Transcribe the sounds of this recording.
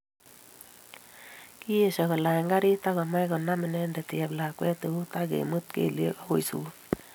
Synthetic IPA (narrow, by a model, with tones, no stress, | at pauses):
ki˦e˨ʃa˨kɔ˨la˨jŋɡa˦ɾi˦ta˦kɔ˨ma˦jkɔ˨na˦mɪ˨nɛ˦ndɛ˨tjɛ˨pla˨kwɛ˦te˨u˦ta˦kḛ˨mɯ˦t̚kḛ˦˨lḛ˦ka˦o˨jsṵː˨˦